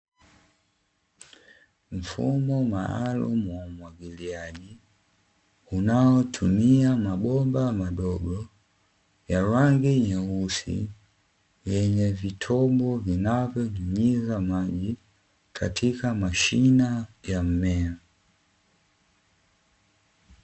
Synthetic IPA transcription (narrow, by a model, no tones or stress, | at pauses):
m̩fṵmɔma̰a̰lṵmuwamwaɡiliaʄi | unaɔtʰumiamaɓɔmbamaɗɔɡɔ | jaɾaŋɡiɲausḭ | jɛɲɛvitʰɔmbɔvinavɔɲuɲizamaʄi | kʰa̰tʰikamaʃinajam̩mɛɔ